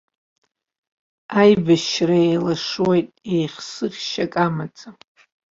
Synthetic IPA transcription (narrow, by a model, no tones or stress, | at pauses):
ajbaʃraejlaʂwojtʼejχʲsɨχʲʃakʼamat͡sʼa